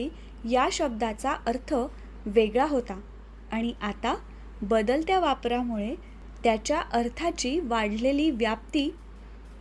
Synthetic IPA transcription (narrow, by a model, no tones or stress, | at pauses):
i | jaɕəb̚d̪at͡saʔəɾt̪ʰə | ʋeɡɭaɦot̪a | aɽ̃iʔat̪a | bəd̪əlt̪jaʋapɾamuɭe | t̪jat͡ɕjaʔəɾt̪ʰat͡ɕiːʋaɽ̤leliːʋjap̚t̪iː